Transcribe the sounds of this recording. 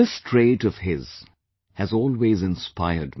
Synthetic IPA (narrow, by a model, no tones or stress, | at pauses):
ɪstʰɹeɪɾʌv̥hɪz̥ | hɨzɔːlˠweːzɪ̃nspʰaɪə˞d̚